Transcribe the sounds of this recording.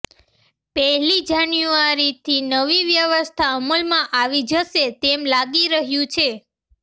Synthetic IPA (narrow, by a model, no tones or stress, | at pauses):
pɛɦlid͡ʒanjuaɾit̪ʰinəʋiʋjəʋəst̪ʰaəməlmãʔaʋid͡ʒəʃet̪emlaɡiɾəɦjũt͡ʃʰe